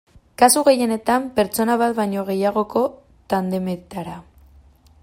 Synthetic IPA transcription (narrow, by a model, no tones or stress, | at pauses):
kasuɣe̞je̞ne̞t̪ampe̞ɾt͡so̞naβ̞at̪βajɲo̞ɣ̞e̞jaɣ̞o̞ko̞ | t̪and̪e̞meðt̪aɾa